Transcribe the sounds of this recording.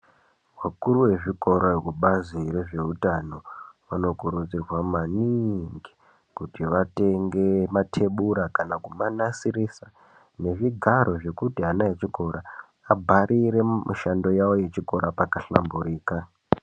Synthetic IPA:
wakuɾuwe̞ʐiko̞ɾokuɓazire̞ʐe̞utano̞ʋano̞kuɾud͡zirwamaniŋɡi̥ | kutiʋate̞ŋɡe̞matʰe̞ɓuɾakanakumanasirisa | ne̞ʐiɡʱaɾo̞ʐe̞kutiɦanaet͡ʃiko̞ɾaː | bʱaɾʔiɾe̞mʔṵʃando̞jawo̞je̞t͡ʃiko̞ɾapakaɬa̰mbuɾiːka

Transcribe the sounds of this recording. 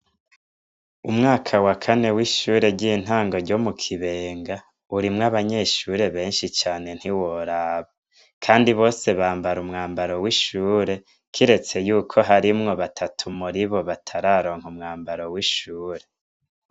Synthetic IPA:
umŋaːkʰawakʰane̞wiʃuːɾe̞ɾɟiːn̥ɦaːŋɡo̞ɾɟo̞mukʰiβeːŋɡa | uɾimŋaβaɲe̞ʃuːɾe̞βe̞ːnʃit͡ʃaːne̞n̥hiwo̞ɾaːβa | kʰaːndiβo̞ːse̞βaːmbaɾumŋaːmbaɾowiʃuːɾe̞ | kʰiɾe̞t͡se̞juːkʰo̞ɦaɾimŋo̞βatʰatʰumuɾiβo̞βatʰaɾaːɾo̞ːŋhumŋaːmbaɾowiʃuːɾe̞

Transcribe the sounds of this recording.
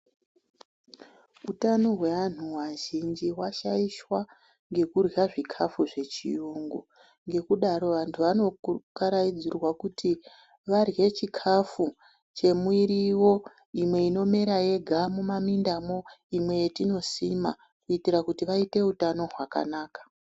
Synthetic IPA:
utano̞ɦwe̞ʋan̤uwaʒind͡ʒiwaʃaiʃwa | ŋɡe̞kurwaʐikʰafuʐe̞t͡ʃḭuŋɡu | ŋɡe̞kuɗaɾo̞ʋantʰuʋano̞kaɾaid͡zirwakutʰi | ʋarje̞t͡ʃikʰafu | t͡ʃe̞muiɾiwo̞ | imwe̞ino̞meɾaje̞ɡʱamumamindamo̞imwe̞jetino̞sima̰ | kuitiɾakutiʋaite̞utano̞ɦwaka̰naːkḁ

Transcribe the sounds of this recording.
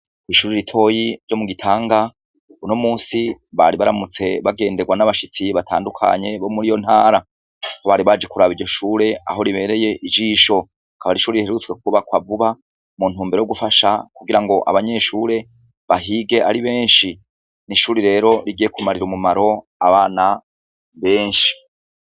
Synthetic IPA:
iʃuːɾiɾitʰo̞ːjiɾɟo̞muɡitʰaːŋɡa | unomuːnsiβaɾiβaɾamut͡se̞βaɡe̞ːndeɡwanaβaʃit͡siβatʰa̰ːndukʰa̰ɲe̞βo̞muɾijo̞n̥haːɾa | hoβaːɾiβad͡ʒekuɾaβiɟo̞ʃuːɾe̞a̰ɦo̞ɾiβe̞ɾe̞je̞ʔid͡ʒiːʃo̞ | kʰaβaɾiʃuːɾijiheɾut͡swe̞k̚uβakwavuβa | mun̥uːmbeɾoɡufaʃakuɡiɾaŋɡo̞ʔa̰βaɲe̞ʃuːɾe̞ | βaɦiɡe̞ʔaɾiβe̞ːnʃi | niʃuːɾiɾe̞ːɾo̞ɾiɡiːje̞kumaɾiɾumumaɾo̞ | aβaːna | βe̞ːnʃi̥

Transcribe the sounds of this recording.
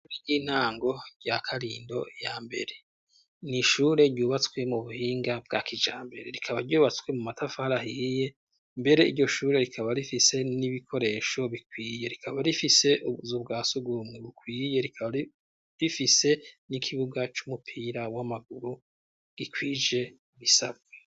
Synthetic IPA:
ɾiɟiːn̥aːŋɡo̞ɟakʰaɾḭːndo̞̰jaːmbe̞̰ɾe̞ | niʃuɾe̞ɾɟuːβat͡skwe̞muβuhiːŋɡab̚ɡa̰kʰid͡ʒaːmbe̞ɾe̞ɾikʰaβaɾɟuːβat͡skwe̞mumatʰafahaɾaɦije̞ | mbe̞ɾe̞iɾɟo̞ʃuːɾe̞ɾikʰaβaɾifise̞niβikʰo̞ɾe̞ʃo̞βikwiːje̞ɾikʰaβaɾifise̞ʔuβuzubɡaːsuɡumŋeβukwiːje̞ɾikai | ɾifise̞nikʰiβuɡat͡ʃumupʰiɾawamaɡuɾu | ɡ̥ikʰwiːd͡ʒe̞ | βisabɡe

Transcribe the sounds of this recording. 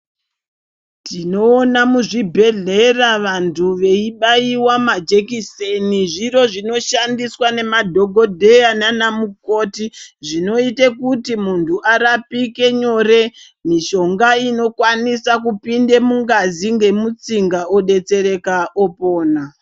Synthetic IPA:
tino̞ːnamuʐibʱe̞ɮe̞raʋantʰuʋe̞iɓaiwamad͡ʒekiseniʐiro̞ʐino̞ʃandiswane̞madʱo̞ɡʱo̞dʱe̞ananamuko̞tiʐino̞itekutimuntʰuʔaɾapike̞ɲo̞ɾe̞ | miʃo̞ŋɡaino̞kwanisakupinde̞muŋɡaziŋɡe̞mut͡siŋɡaoɗe̞t͡se̞ɾe̞kaʔopoːna

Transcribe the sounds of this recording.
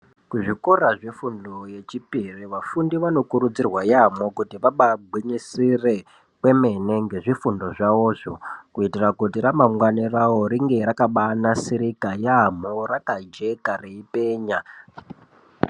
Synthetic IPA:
kuʐiko̞raʐefundoje̞t͡ʃipiriʋafundiʋano̞kuɾud͡zirwajamokutiʋaɓabʱwiɲisire̞ | kwe̞me̞ne̞ŋɡe̞ʐifundo̞ʐaoːʐokuitirakutiɾamamwanirawo̞ɾiŋɡe̞ɾakaɓanasiɾikajam̤orakad͡ʒe̞kareipe̞ːɲa

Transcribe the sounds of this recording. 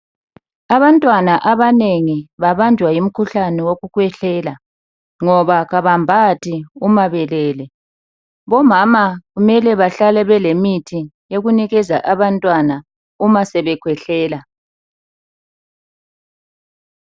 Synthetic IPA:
aβantʼwanaʔaβaneŋiβaβand͡ʒʱwajim̩kʰuɬanɛwoɣukʰwɛɬɛːla | ŋɔβaɣaβambʱatʰʼiumaβɛlɛːlɛ | βɔmamaɣumɛlɛβaɬalɛβɛlemitʰijeɣuniɣɛza̰ʔaβantʼwana | umasɛβɛkʰwɛɬɛːla

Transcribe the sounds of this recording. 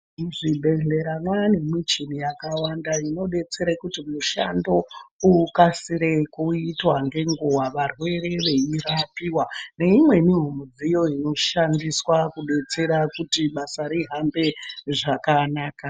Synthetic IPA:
ʐibʱe̞ɮe̞ɾanwane̞mit͡ʃinijakawandaino̞ɗe̞t͡se̞ɾakutimuʃa̰ndo̞ukasiɾe̞kuitwaŋɡe̞ŋɡuwaʋarwe̞re̞ʋe̞irapiwane̞imwe̞mim̤omud͡zijo̞ino̞ʃandiswakuɗe̞t͡se̞ɾakutiɓasaɾiɦambe̞ʐakanaːka

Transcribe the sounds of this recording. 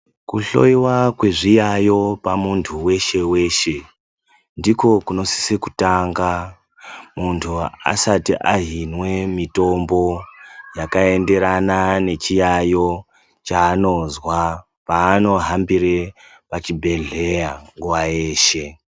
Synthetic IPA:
kuɬo̞̰iwakwe̞ʐijajo̞pamuntʰuwe̞ʃe̞we̞ʃe̞ | ndiko̞kuno̞si̥seku̥taŋɡa | muntʰua̰satiʔaɦinwe̞mito̞mbo̞jakae̞nde̞ɾanane̞t͡ʃijajo̞ | t͡ʃaːno̞zwa | paːno̞ɦambiɾe | pat͡ʃibʱe̞ɮe̞jaŋɡuʋaje̞ːʃe̞

